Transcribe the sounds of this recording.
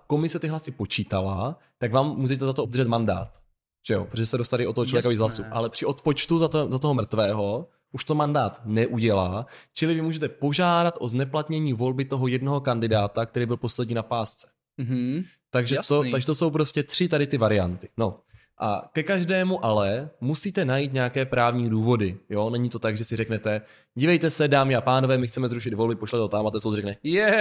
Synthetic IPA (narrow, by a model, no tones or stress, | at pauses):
ko̞mɪsɛt̪ɪɦlasɪpo̞t͡ʃiːt̪ala̰ | t̪aɡvaːmːuːʒɛt̪̬ɛzat̪oob̚d̪rʒɛt̪manda̰ːt̪ | ʒ̥ɛjopɾoʒɛsɛdost̪aɾɪiʔo̞t̪ːoot͡ʃlovjɛkovizɦlasuʔa̰lɛpr̝̥ɪʔo̞t̪pot͡ʃt̪uzat̪zat̪oɦomr̩t̪vɛːɦo̞ | ʔuʃt̪o̞mandaːt̪nɛʔuɟɛlaːt͡ʃɪlɪvɪmuːʒɛt̪ɛpo̞ʒaːdat̪ʔo̞znɛplat̪ɲɛɲiːvo̞lbɪt̪o̞ɦojɛdno̞ɦo̞kandɪdaːt̪ak̚t̪ɛɾiːbɪlpo̞slɛdɲiːnapaːst͡sɛ̥ | t̪aɡʒɛot̪aɡʒɛt̪oso̞wpɾo̞scɛt̪r̝̥ɪt̪adɪt̪ɪvaɾɪja̰nt̪ɪ̥no̞ | ʔa̰kɛkaʒdɛːmuʔalɛmusiːt̪ɛnajiːt̪̬̚ɲɛakɛːpɾaːvɲiːduːvo̞dɪjo̞nɛɲit̪o̞t̪aɡʒɛsɪɾɛknɛt̪ɛ | ɟivɛjt̪ɛsɛdaːmɪapaːno̞vɛːmɪxt͡sɛmɛzɾuʃɪd̪vo̞lbɪpoʃlɛt̪ot̪amat̪ɛːsowrɛknɛjɛ